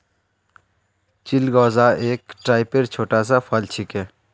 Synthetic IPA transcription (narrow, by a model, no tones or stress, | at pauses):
t͡ʃɪlɡɔːzaeːkʈɾaːɪpeɾt͡ʃʰoːʈaːsapʰalt͡ʃʰɪkeː